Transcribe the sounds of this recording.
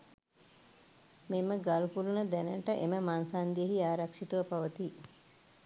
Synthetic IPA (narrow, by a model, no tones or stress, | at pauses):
meməɡalukulunəd̪ɛnəʈəʔeməmansaːnd̪ijəɦiaːɾɐkʂit̪uʋɐpaʋət̪iː